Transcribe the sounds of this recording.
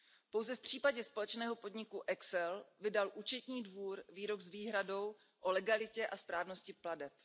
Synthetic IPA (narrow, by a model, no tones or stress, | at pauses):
po̞wzɛfpr̝̥iːpaɟɛspo̞lɛt͡ʃnɛːɦo̞po̞dɲɪkuʔɛksɛlvɪdalʔuːt͡ʃɛt̪ɲiːdvuːɾviːɾo̞ɡzviːɦɾado̞w | ʔolɛɡalɪcɛʔaspɾaːvno̞scɪpladɛp